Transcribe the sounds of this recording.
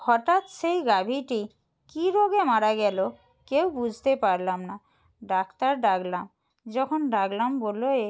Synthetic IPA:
hɔʈat̪ʃejɡabʱiʈi | kiɾoɡemaɾaɡɛlo | kewbud͡ʑʱt̪epaɾlamna | ɖakt̪aɾɖaɡlam | d͡ʑɔkʰonɖaɡlamboloe

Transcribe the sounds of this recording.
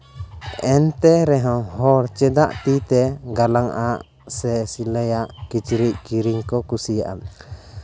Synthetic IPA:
ɛnt̪ɛɾɛɦɔ̃ɦɔɾt͡ʃɛd̪aʔt̪it̪ɛɡalaŋʔaʔ | sɛsiləjaʔkit͡ʃɾic̚kiɾiŋkɔkusijaʔa̰

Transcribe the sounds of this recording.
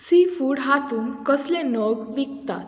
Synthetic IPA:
sifuːɽɦat̪uːnkɔslẽnɔɡʋik̚t̪a̰t̪

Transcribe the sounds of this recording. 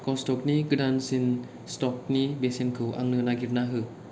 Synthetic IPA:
kɔstɔk̚niɡɯdansin | stɔk̚nibesenkʰɯwʔa̰ŋnɯənaɡirnaɦɯ

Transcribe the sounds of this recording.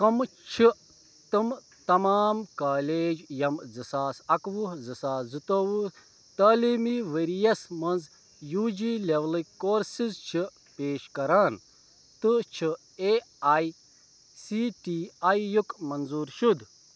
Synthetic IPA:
kɐmt͡ʃʰi | t̪ɨm | t̪ɐmaːmkaːleːd͡ʒjɐmd͡zɨsaːsɐkʋuɦd͡zɨsaːszɨt̪oːʋu | t̪aːliːmiʋeːɾijɐsmɐnz | juːd͡ʒileʋlikoːɾsizt͡ʃʰi | peːʃkɐɾaːn | t̪ɨt͡ʃʰi | e | aːj | siʈiajːukmɐnzuːɾʃud̪

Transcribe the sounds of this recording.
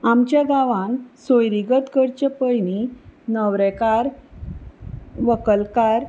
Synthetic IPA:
amt͡ɕjaɡaʋãnsojɾiɡət̪ɡəɾt͡ɕəpəjninəʋɾɛkaɾ | ʋəkəlkaɾ

